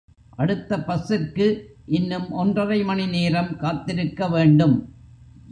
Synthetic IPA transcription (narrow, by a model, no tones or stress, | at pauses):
ʔɐɽɯt̪ːɐpɐsːɪrkɯʔɪnːɯmʔɔndrɐʋɐɪmɐnɪneːɾɐmkaːt̪ːɪɾɯkːɐʋeːɳɖɯm